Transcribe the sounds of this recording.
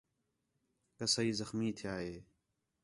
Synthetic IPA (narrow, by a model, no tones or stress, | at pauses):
kəsəiːzəxmiːt̪ʰɪjaːɦeː